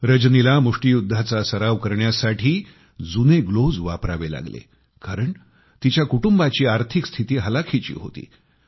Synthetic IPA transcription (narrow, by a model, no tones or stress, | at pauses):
ɾəd͡ʑnilamuʂʈijud̪ʱːat͡sasəɾaʋkəɾɳjasaʈʰiː | d͡zuneɡlod͡zʋapɾaʋela̰ɡlḛ | kaɾəɳ | t̪it͡ɕjakuʈumbat͡ɕiːaɾt̪ʰikst̪ʰit̪iːɦəlakʰit͡ɕḭːɦo̰t̪ḭː